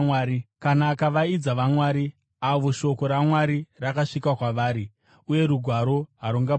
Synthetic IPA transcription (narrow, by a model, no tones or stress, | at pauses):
ikanaːkaʋaid͡zaʋamwaːɾi | aʋoʃo̞ko̞ɾamwaɾirakaʂikwakwaʋaːɾi | uje̞ɾuɡʱwaɾo̞ɦaɾuŋɡa